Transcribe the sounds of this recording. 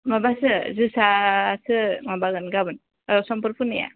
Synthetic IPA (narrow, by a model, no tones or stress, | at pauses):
mabasɯzɯsasɯmabaɡɯnɡabɯn | sɔmpɯɾpʰunija̰